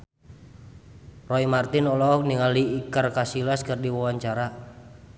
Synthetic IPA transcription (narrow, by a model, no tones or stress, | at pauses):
rɔimart̪inɔlɔk̚niŋaliːkarkasilaskɨrdiwawaɲt͡ʃaɾa